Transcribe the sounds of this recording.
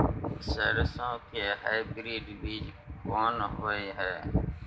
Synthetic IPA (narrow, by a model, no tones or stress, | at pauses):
seːɾsõːkeːɦaibɾiːɖʋiːd͡ʒ | koːnɦoːiːɦɛː